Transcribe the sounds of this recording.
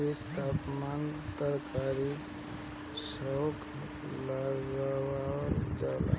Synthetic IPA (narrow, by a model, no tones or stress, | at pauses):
est̪aːpmant̪əɾkaːɾi | səwkʰ | laɡawaɾd͡ʒala̰